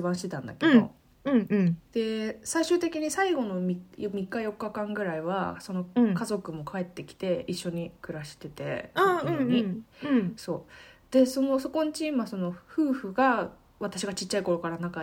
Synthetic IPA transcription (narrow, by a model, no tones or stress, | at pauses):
ɨbãɕit̪e̞t̪ãnd̪a̰ked̪o̞̰ | ɯ̟̃d̪̥e̞saiɕɨːt̪e̞kʲiɲ̟isaiɡo̞no̞mʲijmʲikːajo̞kːakãŋɡɯ̟ɾaiβa̰so̞no̞kazo̞kɯ̟mo̞kʰae̞t̪ːe̞kʲi̥t̪e̞iɕːo̞ɲ̟ikɯ̟ɾaɕi̥t̪e̞t̪e̞̰ãoɲi | so̞ːd̪̥e̞so̞no̞so̞ko̞ɲ̟it͡ɕiimaso̞no̞ɸɯ̟ːɸɯ̟ɡa | βat̪aɕiɡat͡ɕit͡ɕːaiko̞ɾo̞kaɾanaka